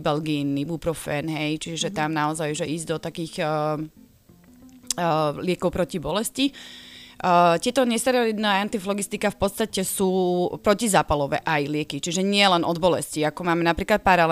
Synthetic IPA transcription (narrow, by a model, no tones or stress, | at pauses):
bɛlɡinːibupɾɔfɛːnɦɛjt͡ʃiʒɛt̪amnaɔzajuʒɛiːzd̪ɔt̪akiːɣə | lɪɛkɔʊpɾɔcibɔlɛsci | ət̪ɪɛt̪ɔɲɛst̪aɾɛlid̪nɛaant̪iflɔɡist̪ikafpɔt̪st̪acɛsuːpɾɔcizaːpalɔʋɛ̰ʔajlɪɛkit͡ʃiʒɛɲɪɛlɛnʔɔd̪bɔlɛsciakɔmaːmɛnapɾiːklat̪̚paɾal